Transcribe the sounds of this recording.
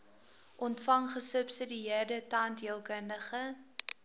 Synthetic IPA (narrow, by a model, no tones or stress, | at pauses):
ʔɔntfɐŋχəsəpsədiiərdətɑntiəlˠkəndəχə